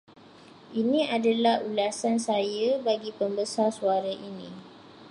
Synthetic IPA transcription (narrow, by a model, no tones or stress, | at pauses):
ʔinĩadalahulasansajabaɡipəmbəsarsuaɾaʔinĩ